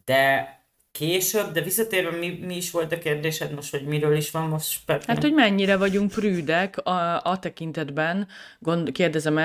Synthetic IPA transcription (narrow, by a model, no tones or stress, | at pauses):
d̪̥ɛ | keːʃøbd̪ɛvisːɒt̪eːɾvɛmimiːʃʋo̞lt̪ɒkeːrd̪eːʃɛt̪moʃt̪ho̞ɟmiɾøːliʃʋɒmmoʃpɛhaːt̪ho̞ɟmɛɲːiɾɛvɒɟuŋk̚pryːd̪ɛkɒt̪ɛkint̪ɛd̪bɛn | ɡond̪keːrd̪ɛzɛmɛ